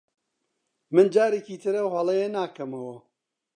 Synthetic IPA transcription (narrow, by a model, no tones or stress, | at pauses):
mɨnd͡ʒaːɾeciːt̪ʰɨɾɐwɦɐlˠejenaːkɐmɐwɐ